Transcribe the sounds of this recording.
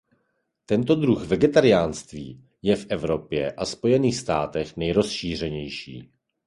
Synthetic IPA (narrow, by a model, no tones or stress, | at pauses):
t̪ɛnt̪o̞d̪ɾuxvɛɡɛt̪aɾɪjaːnst̪viː | jɛfʔɛvɾo̞pjɛʔaspo̞jɛniːxst̪aːt̪ɛxnɛjɾo̞sʃiːr̝ɛɲɛjʃḭː